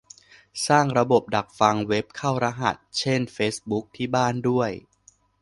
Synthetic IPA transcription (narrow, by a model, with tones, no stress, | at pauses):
saː˥˩ŋɾa˧bo˨˩p̚da˨˩k̚fa˧ŋwe˦˥p̚kʰaː˥˩wɾa˦˥ɦa̰˨˩t̪̚t͡ɕʰe˥˩nfeː˦˥sbu˦˥k̚t̪ʰiː˥˩baː˥˩ndu˥˩əj